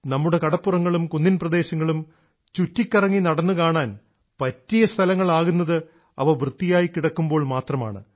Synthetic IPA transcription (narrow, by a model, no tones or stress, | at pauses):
nɐmːuɽe̞kɐɽɐpːurɐŋːɐɭumkunːinprɐd̪e̞ːɕɐŋːɐɭum | t͡ɕutːikʲːɐrɐŋːinɐɽɐnːukaːɳaːn | pɐtːijɐst̪ʰɐlɐŋːɐɭaːɣunːɐðɨ | ɐ̰ʋɐʋrɨt̪ːijaːjikːiɽɐkːumbo̞ːɭmaːt̪rɐma̰ːɳɨ̰